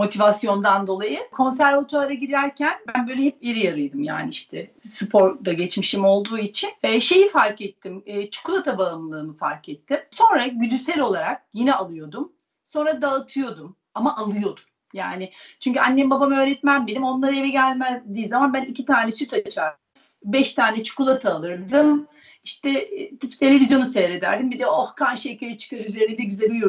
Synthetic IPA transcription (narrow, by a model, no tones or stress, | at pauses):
mo̞t̪ʰivasjo̞nd̪and̪o̞lˠajɯkʰo̞ns̬æɾvat̪ʰøaɾaɟiɾæɾcʰænbænbøjlʲɛɦɛp̚iɾijaɾɯjd̪ɯmja̰ːniiʃt̪ʰɛsɯpʰo̞ɾd̪aɟɛt͡ʃmiʃimo̞lˠd̪uːit͡ʃʰinʃe̞jifaɾkɛt̪ʰːimːt͡ʃʰu̥kʰulˠat̪ʰabalˠɯmlˠɯɾɯnɯfa̰ɾkɛt̪ʰːɪmso̞nɾaɟyd̪ysɛlʲo̞lˠaɾak̚jinɛalˠɯjo̞d̪um | so̞nɾad̪aɯt̪ʰɯjo̞d̪um | amaʔalˠɯjo̞d̪u̥m | ja̰ːnɪt͡ʃʰyɲcyanːembabamɯøːɾɛt̪mænbelʲimo̞nlˠaɾajevɛɟælʲmæzd̪ijːzamanbænicʰit̪ʰaːnɛsyt̪ʰat͡ʃʰaɾ | bɛʃt̪ʰaːnɛt͡ʃʰu̥kulˠat̪ʰaːlˠɯɾd̪ɯm | iʃt̪ɛt̪t̪ʰe̞lʲe̞vʲizjo̞nuseːɾe̞d̪æ̰ɾd̪imbid̪ɛohkʰaɾʃecʰeɾɛt͡ʃʰɯ̥kʰaɾyzeɾinɛb̪ɛɾbizɛbio